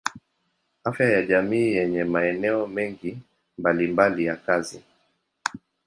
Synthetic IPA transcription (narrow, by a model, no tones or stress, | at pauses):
afjajaʄamiːjɛɲɛmaɛnɛɔmɛŋɡi | mbalimbalijakazi